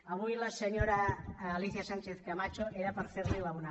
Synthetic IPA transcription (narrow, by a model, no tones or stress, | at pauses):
aβujlaseɲoɾaaliθjasant͡ʃeθkamat͡ʃoʔeɾapaɾθeɾlilaβuna